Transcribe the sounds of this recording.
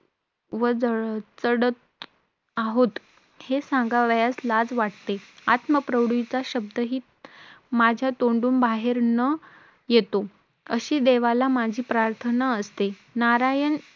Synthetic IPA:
ʋəd͡zəɭt͡səɽət̪̚ | aɦot̪ | hesãŋɡaʋjaslad͡zʋaʈt̪eat̪məpɾəʋɽit͡saɕəb̚d̪ʱəɦiː | mad͡ʑʱjat̪oɳɖuːnbaɦeɾnə | jet̪o | əɕiːd̪eʋalamad͡ʑʱiːpɾaɾt̪ʰənaəst̪e | naɾajən

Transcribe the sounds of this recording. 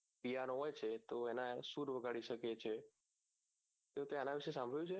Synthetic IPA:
pijanɦoːet͡ʃʰet̪oɛːnãsuːɾʋəɡʱaːɽiʃəket͡ɕʰe | t̪eot̪ẽanãʋɪʃesãmbʱəɭjũt͡ʃʰe

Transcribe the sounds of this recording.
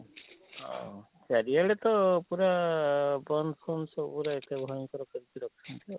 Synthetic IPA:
ɔ̰ | t͡ʃaɾialet̪ɔpuɾa | bɔnsɔnsɔpuɾaet̪ʰebʱɔjɔŋkɔɾɔkɔɾit͡ʃʰiɾɔkʰɔt͡ʃʰɔnt̪iɔ

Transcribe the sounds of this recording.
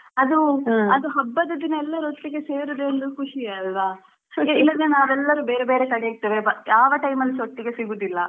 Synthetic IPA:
ɐd̪uɐd̪uɦɐbːɐd̪ɐd̪inɐɛlːɐɾot̪ːiɡe̞se̞ːɾud̪eːnd̪ukʰuʂijɐlʋa | ilːɐd̪enaːʋɛlːɐɾubeːɾebeːɾek̪ɐɽejɐt̪ːiːʋebɐjaːʋɐʈɐjmɐlːisoʈ̪ːiɡe̞siɡuːd̪ilːɐ

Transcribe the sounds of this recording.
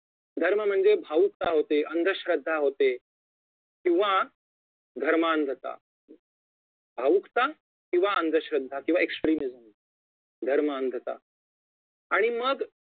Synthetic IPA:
d̪ʱəɾməm̤əɳd͡zebʱaʋuk̚t̪aɦot̪eʔənd̪ʱəɕɾəd̪ʱːaɦot̪e | kĩw̃ʋa | d̪ʱəɾmaənd̪ʱət̪a̰ | bʱaʋukt̪a | kĩw̃ʋaʔənd̪ʱəɕɾəd̪ʱːakĩʋaeksʈɾiːnid͡zəm | d̪ʱəɾməənd̪ʱət̪a̰ | aɽ̃iməɡ

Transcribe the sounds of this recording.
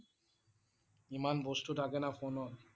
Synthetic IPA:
imanbost̪ut̪ʰakenafonɔn

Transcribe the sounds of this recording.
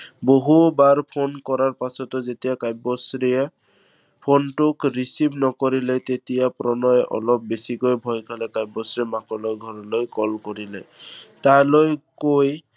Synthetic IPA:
boɦubaɹpʰonkɔɹaɹpasɔt̪ɔzetijakajbɔsɾie | pʰontʊkɹisibnɔkoɹilɛt̪etijapɾɔnɔjʔɔ̰lɔp̚besikojbʱɔjkʰalɛkajbɔsɹimakɔlɔjɡʱɔɹɔlojkɔlkoɹilɛ̰talojkoj

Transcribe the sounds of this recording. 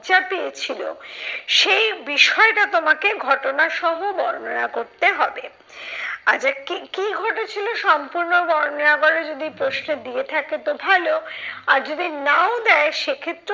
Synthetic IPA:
t͡ɕapeet͡ɕʰilo̰ʃejbiʃɔeʈat̪omakeɡʱɔʈonaʃɔɦobɔɾnonakoɾt̪eɦɔbe | ad͡ʑakikiɡʱɔʈet͡ɕʰiloʃɔmpuɾnobɔɾononaɡoled͡ʑod̪ipɾosned̪iet̪ʰaket̪obʱaloaɾd͡ʑod̪inaod̪ɛeʃekʰet̪ːɾ

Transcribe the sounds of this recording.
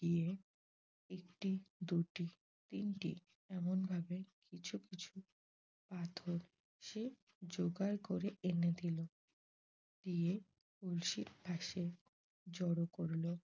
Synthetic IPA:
ɖie | ekʈid̪uʈi | t̪inʈḭ | ɛmonbʱabekit͡ɕʰukit͡ɕʰu | pat̪ʰoɾ | ʃe | d͡ʑoɡaɾkoɾeʔened̪ʱilo | ɖie | ulʃiɾbʱaʃe | d͡ʑɔɽokoɾlo

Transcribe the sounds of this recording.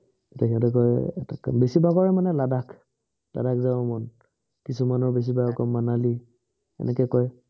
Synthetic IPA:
ɔtakʰinatukɔjɛ̰takabesibakɔɹɛmanɛladak | la̰dakzabɔmɔn | kisumanɔɹbes̬ibajɔkɔmːanali | ɛ̰nɛkɛkɔj

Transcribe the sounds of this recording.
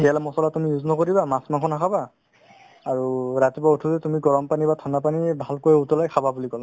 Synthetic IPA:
ɦɛlamɔsɔlatumijuznɔkoɹibamasmakʰɔnakʰabaː | ɹuɹatipautʰuzɛtumiɡɔɹɔmpanibatʰanapanibʱalkojutɔlajkʰababulikɔla

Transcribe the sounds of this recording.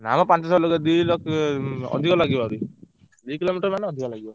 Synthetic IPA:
namɔpant͡ʃɔsɔlɔɡad̪ulɔkɔ̰d̪ʱikɔlaɡibɔɾi | d̪ujkilomiʈɔɾmaneɔd̪ʱikɔlaɡibɔ

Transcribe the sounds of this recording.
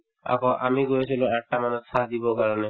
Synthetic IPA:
a̰kʰɔʔa̰miɡoet͡ɕʰiluɛk̚ʈamanud͡ʒsʰad̪ibɔkaɾɔne

